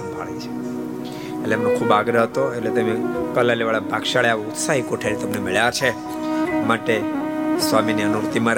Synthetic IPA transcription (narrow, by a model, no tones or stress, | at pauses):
bʱaɭit͡ʃʰe̥ | eʈleemnokʰubaɡɾəɦət̪oeʈlet̪əmekəlaleʋaɭabʱakʃaɭaʋout̪saɦikoʈʰelt̪əmnemeɭjat͡ʃʰe | maʈesʋaminiənuɾut̪imaɾ